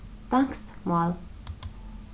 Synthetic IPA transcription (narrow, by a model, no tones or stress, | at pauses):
t̪aŋkst̪mɔl